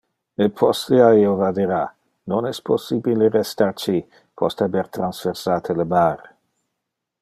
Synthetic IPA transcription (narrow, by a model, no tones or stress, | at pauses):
əpʰɔsiaiovad̪iɾa | nɔnɛspʰosibilerɛst̪aɾt͡ʃi | pʰɔst̪abɛɾt̪ɾansfɛɾsaːt̪ʰələmaːɾ